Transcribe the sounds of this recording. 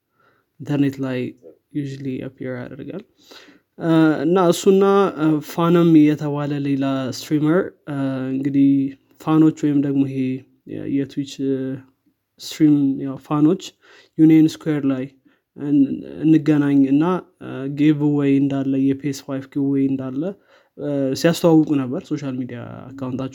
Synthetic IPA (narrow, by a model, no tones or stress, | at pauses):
int̪ʰəɾnet̪laj | juʒuliə̰pʰiɾa̰d̪əɾɡa̰l | ɨ̰nːaɨsːuɨnːafanəmɪjɛt̪ʰəβaləlelast̪ɾiməɾɨŋɡɨd̪ih | fano̞t͡ʃːwɔjɪmd̪əɡmo̞he | jɛt̪ʰwit͡ʃ | st̪ɾimjawfano̞t͡ʃː | juniɛnskweɾlaj | ɨ̰nːɨɡənaɲːɨnːaɡeβuwɔjɨnd̪alːəjɛpʰesfajvɡewɔjɨnd̪alːə | sijast̪ʰəwawːəkʼunəbːəɾso̞ʃalmid̪ija̰a̰kʰːawunt̪ʰat͡ʃːɛ